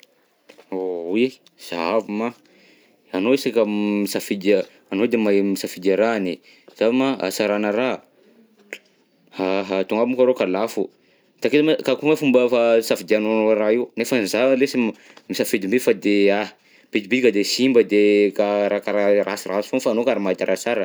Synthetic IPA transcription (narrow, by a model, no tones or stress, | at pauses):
oe | z̥avima | anoisakəmisafid̪ | anod̪emajmisafid̪aɾane | z̥avimaa̰saɾanəɾa | haɦat̪uŋabimkaɾokalafu | t̪aket̪makakumafumbəfasafid̪eanoraiunefənzalesi | misafid̪imbefad̪ea | b̥id̪ibid̪ikad̪esimbəd̪ekaɾakaɾaɾasirasfonfanokaɾamait̪aɾʔasaɾə